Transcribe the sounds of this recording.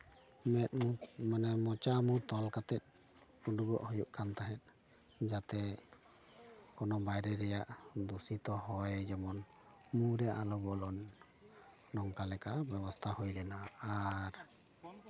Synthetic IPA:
mɛt̪̚mumanɛmɔt͡ʃamut̪ɔlkat̪ɛt̪̚ˀː | uɖuɡɔʔhɔjuʔkʰant̪aɦɛt̪̚ˀ | d͡ʒat̪ɛ | kɔnɔbajɾɛɾɛjaʔd̪usit̪ɔɦɔjd͡ʒɛmɔn | muɾɛʔalɔbɔlɔnː | ɔŋkalɛkabɛbɔst̪ʰahujlɛnaːɾ

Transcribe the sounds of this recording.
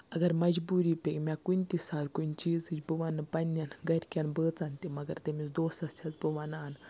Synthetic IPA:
ɐɡɐɾmɐd͡ʒbuːɾipʲekmʲakunʲt̪isaːt̪kunʲt͡ʃiːzɨt͡ʃbɨʋanːɨpɐnʲːanɡɐɾʲkʲanbəːt͡sant̪imɐɡɐɾt̪emit͡sd̪oːsɐst͡ʃʲʰat͡sbɨʋanaːn

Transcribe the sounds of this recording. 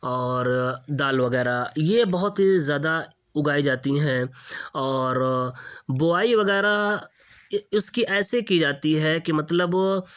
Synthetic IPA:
ɔːɾd̪aːlʋɐɣɛːɾajebɐɦʊt̪ɦizjaːd̪a | ʊɡaːid͡ʒaːt̪iɦɛ̃ɔːɾ | boaːiʋɐɣɛːɾa | ʊskiʔɛːsekid͡ʒaːt̪iɦɛkimɐt̪ləb

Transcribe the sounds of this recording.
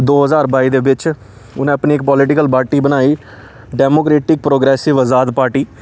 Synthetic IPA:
d̪oːɦəzaːɾbaːiːd̪eːbɪt͡ʃ | ʊnẽːəpniːɪk̚pɔːlɪʈɪkəlpaːɾʈiːbənaːiː | ɖɛːmoːkɾeːʈɪk̚pɾoːɡɾɛːsɪʋəzaːd̪paːɾʈiː

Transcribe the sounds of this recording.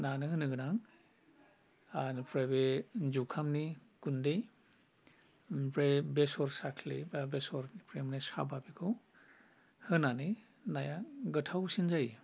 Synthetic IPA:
nanɯɦɯnɯɡɯnaŋ | anpɾebezukʰamnikundej | pɾebesɔɾsakʰlḭbabesɔɾpɾemnasa̰babikʰɯw | hɯnanɯ | najaɡɯtʰawsinzaj

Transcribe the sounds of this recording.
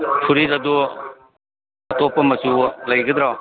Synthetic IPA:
pʰuɾidɐd̪u | ɐtopːɐmɐsulɐjɡɐd̪ɾɔ

